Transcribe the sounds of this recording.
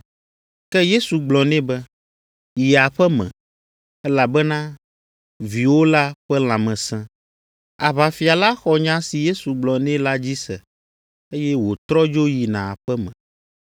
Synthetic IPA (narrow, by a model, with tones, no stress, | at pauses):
kɛ˦je˦su˨ɡ͡blɔ˨nɛ̃˦bɛ˦ | ji˨a˨ɸɛ˦mɛ̰̃˨ | ɛ˦la˨bɛ˦nã˦ | vi˨wo˦la˦ɸɛ˦l̃ã˨mɛ̃˨sɛ̃˦ | a˨βa˨fi˨a˨la˦xɔ˨ɲã˦si˨je˦su˨ɡ͡blɔ˨nɛ̃˦la˦d͡ʑi˦sɛ˨ | e˦jɛ˦wo˨t̪ɾɔ˦d͡ʒo˦ji˨nã˨a˨ɸɛ˦mɛ̃˨